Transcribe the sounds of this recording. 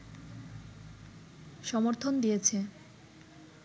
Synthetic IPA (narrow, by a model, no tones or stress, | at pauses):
ʃɔmoɾt̪ʰond̪ijet͡ɕʰe